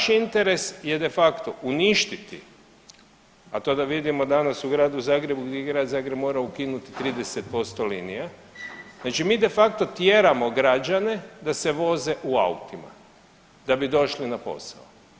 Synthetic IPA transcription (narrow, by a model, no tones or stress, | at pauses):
ʃint̪eɾe̞sjed̪e̞fakt̪o̞ʔuniʃt̪it̪ḭ | at̪o̞ːd̪aʋid̪imo̞d̪anasuɡɾaːd̪uzaːɡɾe̞buɡd̪jeeɡɾaːd̪zaːɡɾebmo̞ːɾaukinut̪it̪ɾiːd̪e̞set̪̚po̞st̪o̞linija | znaːt͡ʃimiːd̪e̞fak̚t̪o̞t̪jeːɾamoɡɾad͡ʒane̞d̪aseʋo̞ze̞ʔua̰ṵt̪ima̰ | d̪̥abid̪o̞ʃlinapo̞̰sa̰o